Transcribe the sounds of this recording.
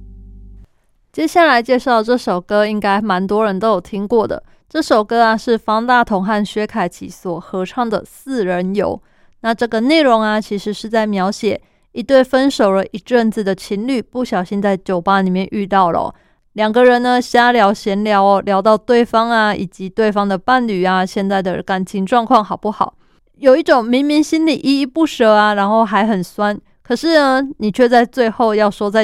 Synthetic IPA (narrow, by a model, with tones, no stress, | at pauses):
t͡ɕjɛ˥ɕja˥˩la˧˥ɪt͡ɕjɛ˥˧ʂɑ˥˩ʊʈ͡ʂɤ˥˩ʂo˨˩ʊkɤ˥i˦˥ŋka˥ɪma˧˥nt̪wɔ˥ɻə˧˦nt̪o˥ʊjo˨˩ʊt̪ʰi˥ŋkwɔ˥˩d̪ə̰˩ | ʈ͡ʂɤ˥˩ʂo˨˩ʊkɤ˥a˨ʂɻ̩˥˩fɑ˥ŋt̪a˥˨t̪ʰʊ˧˥ŋxa˥˩nɕɥɛ˥kʰa˨˩ɪt͡ɕʰḭ˨˥swɔ˨˩xɤ˧˥ʈ͡ʂʰɑ˥˩ŋd̪ə˨˩sɹ̩˥˩ɻə˧˦njo̰˨˩˦ʊ | na˥˧ʈ͡ʂɤ˥˩ɡə˩ne˥˩ɪɻʊ˧˥ŋa˧t͡ɕʰi˧˥ʂɻ̩˧˥˦ʂɻ̩˥˧t͡sa˥˩ɪmjɑ˧˥ʊɕjɛ˨˩ | i˧˥t̪we˥˩ɪfə˦˥nʂo˨˩ʊlə˦ʔi˧˥ʈ͡ʂə˥˧nt͡s̩˨˩d̪ə˩t͡ɕʰi˧˥nly˥˩pu˥˩ɕjɑ˨˩ʊɕi˦˥nt͡sa˥˩ɪt͡ɕjo˨˩ʊpa˦ni˨˩mjɛ˥˧nʔy˥˧t̪ɑ˥˩ʊlə̰˩ | ljɑ˨˩ŋɡə˦ɻə˧˦nːə˧ɕja˥ljɑ˧˥ʊɕjɛ˧˥nljɑ˧˥ʊ˦ljɑ˧˥ʊt̪ɑ˥˧ʊt̪we˥˩ɪfɑ˥ŋa˧ḭ˨˩t͡ɕi˧˥t̪we˥˩ɪfɑ˥ŋd̪ə˨pa˥˩nly˨˩a˨ɕjɛ˥˧nt͡sa˥˩ɪd̪ə̰˨ka˨˩nt͡ɕʰi˧˥ŋʈ͡ʂwɑ˥˧ŋkʰwɑ˥˩ŋxɑ˨˩ʊpu˥˩xɑ̰˨˩˦ʊ | jo˨˩ʊi˥˩ʈ͡ʂo˨˩ŋmi˧˥ŋmi˧˥ŋɕi˥nli˨˩ʔi˥i˥˧pu˥˩ʂə˨˥a˨ɻa˧˥nxo˥˩ʊxa˧˥ɪxə˨˩nswa˦n | kʰɤ˨˩ʂɻ̩˥˩nə˩ni˨˩t͡ɕʰɥɛ˥˧t͡sa˥˧ɪt͡swe˥˧ɪxo˥˧ʊjɑ˥˩ʊʂwɔ˥t͡sa˥˩ɪ